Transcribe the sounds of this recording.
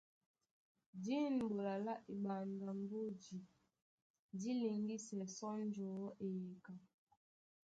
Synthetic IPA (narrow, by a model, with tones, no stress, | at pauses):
di˦n˨bo˨la˨la˦ʔi˨ɓa˨ŋ˨ɡa˨m˦bo˦d͡ʒi˨ | di˦li˨ŋɡi˦sɛ˨sɔ˦n˦d͡ʒɔː˨˦ʔe˨je˨ka˨